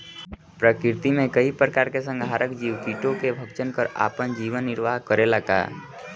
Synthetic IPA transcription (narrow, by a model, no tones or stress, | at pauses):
pɾəkɪɾt̪imẽkəipɾəkaːɾkesə̃ŋɡaːɾəkd͡ʒiːwpiːʈõkebʱəkt͡ʃənkəɾa̰ːpənd͡ʒiːʋənːɪɾʋaːɦkəɾelaɡa̰ː